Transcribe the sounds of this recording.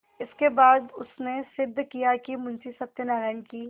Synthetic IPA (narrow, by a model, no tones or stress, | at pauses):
ɪskebaːd̪ʊsnesɪd̪ʱːkijakimʊ̃nsisɐb̚t̪enaːɾaːɪnkiː